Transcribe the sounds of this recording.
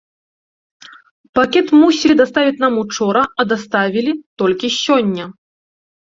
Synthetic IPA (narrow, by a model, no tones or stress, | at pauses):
pakʲɛt̪musʲilʲid̪ast̪avʲit͡sʲnamut͡ʂɔɾɐɐd̪ast̪avʲilʲit̪ɔlʲkʲisʲɔnʲːɐ